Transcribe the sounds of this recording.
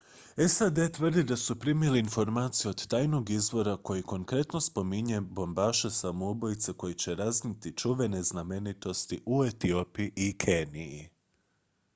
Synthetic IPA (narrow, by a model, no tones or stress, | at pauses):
esad̪e̞t̪ʋər̩d̪id̪asupɾimieliːnfo̞ɾmaːt̪sijeo̞d̪t̪aːjno̞ɡizʋo̞ɾako̞jiko̞ŋkɾe̞t̪no̞spo̞miɲe̞bo̞mbaːʃe̞samoubo̞jit̪se̞ko̞jit͡ɕe̞ɾaznit̪it͡ʃuʋe̞ne̞zname̞nit̪o̞st̪iʔuet̪io̞piiʔikʰe̞nii